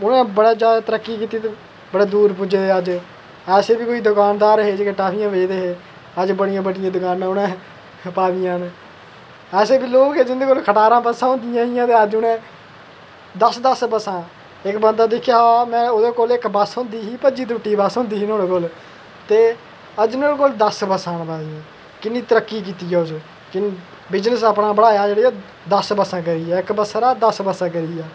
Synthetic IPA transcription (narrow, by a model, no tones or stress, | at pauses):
ʊnẽːbəɽaːd͡ʒjaːd̪aːt̪əɾəkːiːkiːt̪iːt̪e | bəɽeːd̪uːɾpʊd͡ʒeːəd͡ʒ | ɛːseːbiːkoːiːd̪ʊkaːnd̪aːɾəɦeːd͡ʒeːkeːʈaːpʰɪjãːʋed͡ʒd̪eːɦeː | əd͡ʒbəɽɪjãːbəɖɪjãːd̪ʊkaːnãːʊnẽː | paːʋɪjãːn | ɛːseːbiːloːɡed͡ʒɪnd̪eːkoːlkʰəʈaːɾãːpəsãːɦʊ̃nd̪ɪjãːɦɪjãːt̪eːəd͡ʒʊnẽː | d̪əsd̪əspəsãː | ɪkbənd̪aːd̪ɪkʰːjaːaːmɛ̃ːʊd̪eːkoːlɪkbəsɦʊ̃nd̪iːɦiːpəd͡ʒiːt̪ʊʈːiːbəsɦõːnd̪iːɦiːnoːɽeːkoːl | t̪eː | əd͡ʒnoːɽekoːld̪əsbəsãːnbaːʋijãː | kɪnːiːt̪əɾəkːiːk̬iːt̪iːjɛːʊs | kɪ | bɪznəsəpɽãːbəɽaːjaːd͡ʒeːɽiːoː | d̪əsbəsãːkəɾiːɛːɪkbəsɾaːd̪əsbəsãːkəɾiːaː